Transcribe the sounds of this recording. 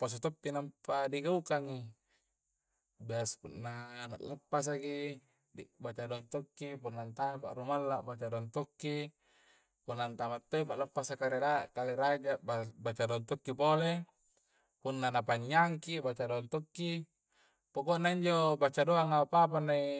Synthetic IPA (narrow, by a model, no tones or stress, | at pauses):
pas̬at̪opːinampadiɡaukaŋi | biaspunːana̰ʔlapːas̬aki | bat͡ʃadoaŋt̪okːipunːant̪amapa̰ʔɾumalːabat͡ʃadoaŋt̪okːi | punːant̪amat̪ːoipaʔləpːasakaɾeɾaʔkaleɾad͡ʒaabat͡ʃadoant̪okːipole | punːanapaɲːaŋkibat͡ʃadoant̪okːi | pokoʔnːaiɲd͡ʒobat͡ʃadoaŋapap̬ani